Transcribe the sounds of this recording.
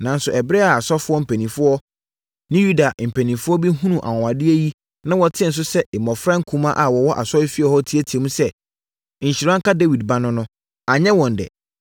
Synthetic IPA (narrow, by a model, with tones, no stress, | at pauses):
nã˨n˦sʊ˨ʔɛ˨bɾɛ˦a˨a˨sɔ˦fʊ˦ɔ˦m̩˨pʰæ̃˨nĩ˨fʊ˦ɔ˦ | nɪ̃˦ju˦da˨m̩˨pʰæ˨nĩ˨fʊ˦ɔ˦bi˦ɦũ˦nũ˨ʔa̰˨wɔ̃˨a˨dɪ˦ɛ˦ji˦ | nã˦wɔ˨tʰɪ̃˦˨n̩˨s̬ʊ˦sɛ˦ʔɪ˨mɔ̃˨fɾã˦ŋ̩˦kʰũ˦mã˦ʔa˨wɔ˨wɔ˦ʔa̰˨sɔ˦ɪ˦fi˦ɛ˨hɔ˦tʰi˨˦æ˦˨tʰi˨e˨mũ˦sɛ˦ | ɲ̩˨ɕi˨ɾã˦ŋ̩˦ka˦de˦wi˨d̚bã˦nʊ̃˦nʊ̃˦ | a˨ɲɛ̃˦wɔ̃˨n˨dɛ̰˨